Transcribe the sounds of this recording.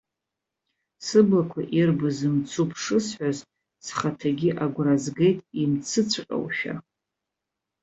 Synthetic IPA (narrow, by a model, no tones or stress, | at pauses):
sɨblakʷʰa̰ʔirbɨzɨmt͡sʰupʰʂɨsħʷaz | sχatʰaɡʲiʔaɡʷrazɡejtʼimt͡sʰɨt͡sʷʰqʲʼa̰wʃᶣa̰